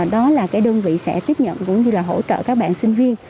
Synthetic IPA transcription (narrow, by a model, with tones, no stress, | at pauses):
ɗɔ˨˦laː˨˩kaː˨˦jɗəː˧nvḭ˧˨sɛ̰˧˥t̪i˦˥əp̚ɲə̰˧˨nkʊ̰˧˥ŋ͡mɲɨ˧laː˨˩ɦo̰˧˥t͡ɕə̰ː˧˨kaː˦˥k̚ɓa̰ː˧˨nsï˧ŋ̟vi˧ən